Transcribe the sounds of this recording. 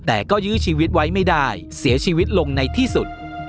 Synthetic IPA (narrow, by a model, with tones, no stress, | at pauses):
t̪ɛː˨˩kɔː˥˩jɯː˦˥t͡ɕʰiː˧wi˦˥t̪̚wa˦˥jma˥˩jdaː˥˩j | si˩˦ɐt͡ɕʰiː˧wi˦˥t̪̚lo˧ŋna˧jt̪ʰiː˥˩su˨˩t̪̚